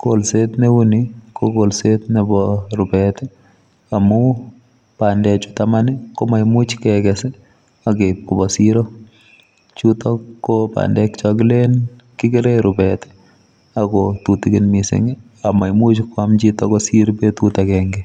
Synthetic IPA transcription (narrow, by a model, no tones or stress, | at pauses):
kolset̪newʊnikokolset̪nebɔɾʊbɛtɛ | amʊ | pandɛt͡ʃʊ̥tamanɪkomajmʊt͡ʃkɛkɛsɛ | aɡep̚kɔbɔsiɾɔ | t͡ʃutɔkːopa̰ndɛkt͡ʃɔɡ̬len | kɪkɪɾeɾʊbɛtɛ̥ | akɔtutikɪnmɪsɪ̰ŋɛ | amajmʊt͡ʃkwamt͡ʃit̪ɔkɔsiɾbetutakɛŋɡɛ